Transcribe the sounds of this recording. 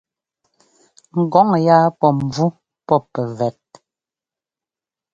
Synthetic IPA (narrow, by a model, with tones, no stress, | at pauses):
ŋ̩˨ɡɔ˨˦ŋ˨jaː˦pɔ˦˨m˨b͡vu˦ | pɔ˦pɛ˨vɛ˨t̚